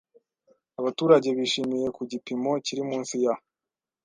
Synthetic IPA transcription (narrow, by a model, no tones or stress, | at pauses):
aβatuːɾaɟe̞βiʃimije̞kuɟipimo̞ciɾimuːnsija